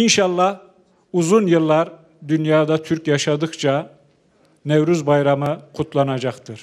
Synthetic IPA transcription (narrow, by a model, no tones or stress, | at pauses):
inʃɑlˠːɑh | uzunjɯlˠːaɾ | d̪ynjaːd̪at̪ʰyɾkjaʃad̪ɯkt͡ʃʰa | nevɾyzbajɾamɯqʰut̪ʰlˠanad͡ʒaqt̪ʰɯɾ̥